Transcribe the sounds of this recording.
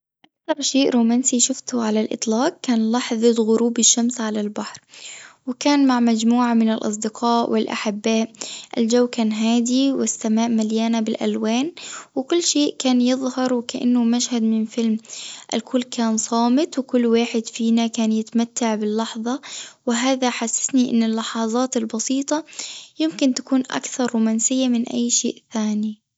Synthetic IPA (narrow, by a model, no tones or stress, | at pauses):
ʔakt̪ɑɾˤʃeːʔɾuːmaːnsiʃʊft̪ʊʕalalʔɪ̰t̪ˤlɑːq̚kːaːnlɑħðˤɨd̪ɣʊɾuːbɪʃːamsʕalalbaħɾwɪkaːnmaʕmad͡ʒmuːʕamɪnɪlʔɑ̰s̬ˤd̪ɪqʰɑːʔwɪlʔa̰ħɪbːaːʔʔɪld͡ʒawːkaːnɦaːd̪iwɪsːamaːʔmaljaːnabɪlʔa̰lwaːnwɪkʊlːʃeːʔkaːnjɨðˤhɑɾˤwɪkaʔa̰nːʊmaʃhad̪mɪnfɪlmʔɪlkʰʊlːkʰaːnsˤɑːmɪt̪wɪkʊlːwaːħɪd̪fiːnakaːnjɪt̪amat̪ːaʕbɪlːɑħðˤɑwɪɦaːðaħasːḁsniʔɪ̰nːɪlːɑħɑːzˤɑːt̪ɪlbɑsiːt̪ˤɑjɪmkɪnt̪ḁkuːnʔa̰kθɑɾˤːuːmaːnsɪjːamɪnʔa̰jːʃḛːʔθaːni